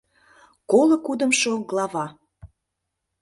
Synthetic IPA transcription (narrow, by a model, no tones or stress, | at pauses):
kolɤ̆kud̪ə̆mʃoɡlˠɑvɑ